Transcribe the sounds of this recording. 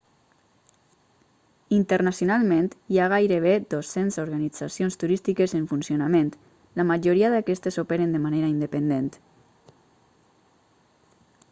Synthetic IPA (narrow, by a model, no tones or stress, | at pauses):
int̪ərnasjonalˠmẽnt̪iaɣ̞ajɾeβ̞ed̪osenzoɾɣanid͡zasijonst̪uɾist̪ikezeɱfunsjonamẽnt̪ | lamaʒoɾiaðakɛst̪esopeɾend̪emaneɾaind̪epend̪ent̪